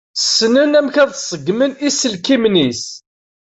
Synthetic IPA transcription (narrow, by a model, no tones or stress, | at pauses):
sːnənæmçæðˤsˤəɡːmənisəlkimnis